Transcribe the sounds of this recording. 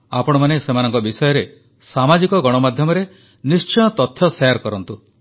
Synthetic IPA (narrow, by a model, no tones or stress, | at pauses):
a̰pɔɽ̃ɔmanesemanɔŋkɔbisɔjɔɾe | samad͡ʒikɔɡɔɽ̃ɔmad̪ʱjɔmɔɾe | nist͡ʃɔjɔt̪ɔt̪ʰːjɔsajaɾkɔɾɔnt̪u